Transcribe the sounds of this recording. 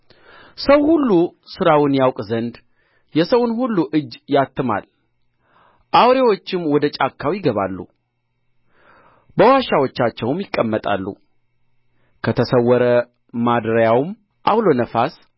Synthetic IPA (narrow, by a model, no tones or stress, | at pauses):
səwhulːusɨɾawɪnjawkʼzənd̪ | jɛsəwʊnhulːuʔɨd͡ʒːjat̪ːɨma̰l | ʔawɾewo̞t͡ʃːɪmwɔd̪ət͡ʃʼakːawjɪɡəβa̰lːṵ | bəwaʃawot͡ʃːat͡ʃːɛwmjɪkʼːəmːət̪ʼa̰lːṵ | kʰət̪ʰəsəwːɔɾə | mad̪ɾjawm | ʔa̰wlo̞nəfas